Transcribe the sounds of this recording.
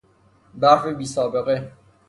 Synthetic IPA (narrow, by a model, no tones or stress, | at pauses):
baɾfebiːsɔːbeɣe